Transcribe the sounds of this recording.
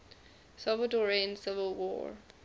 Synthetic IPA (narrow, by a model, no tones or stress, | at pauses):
sɔlvədɔɹẽnsɪvəlˠwɔ̰ɹ